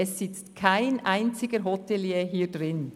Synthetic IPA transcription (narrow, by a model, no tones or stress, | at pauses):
ɛsːɪt͡stkʰaɪnʔaɪnt͡sɪɡ̥əɦɔtʰɛljeːɦiːɐdʁɪn